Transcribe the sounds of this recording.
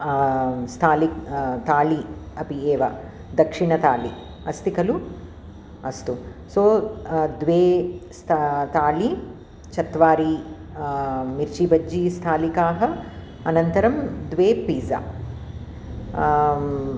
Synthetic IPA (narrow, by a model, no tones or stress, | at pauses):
st̪ʰaːlikt̪aːliɐpieːʋɐ | d̪ɐkʂiɳɐt̪aːli | ɐst̪ikɐlu | ɐst̪usoːd̪ʋeːst̪ʰt̪aːli | t͡ʃɐt̪ʋaːɾi | miɾt͡ʃibɐd͡ʒist̪ʰaːlikaːɦɐ̆ | ɐnɐnt̪ɐɾɐmd̪ʋeːpiːza̰ː